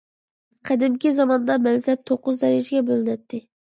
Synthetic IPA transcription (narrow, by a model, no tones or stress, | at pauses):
qʰæd̪ɪmkʲizɑmɑnd̪ɑmɛnzɛp̚t̪ʰoqːʊzd̪ɛɾɪd͡ʒɪɡʲɛbolˠɨnɛt̪ʰːɪ